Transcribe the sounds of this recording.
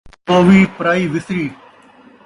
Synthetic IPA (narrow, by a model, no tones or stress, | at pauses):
oːʋiːpəɾaːiːʋɪsɾiː